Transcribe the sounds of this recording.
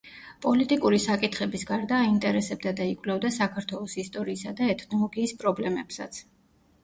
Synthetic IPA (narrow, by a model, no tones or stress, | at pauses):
pʼɔlit̪ʼikʼuɾisakʼit̪ʰχɛbisɡaɾd̪aːint̪ʼɛɾɛsɛb̚d̪ad̪aikʼvlɛvd̪asakʰaɾt̪ʰwɛlˠɔsist̪ʼɔɾiːsad̪aɛt̪ʰnɔlˠɔɡiːspʼɾɔblɛmɛpsa̰t̪sʰ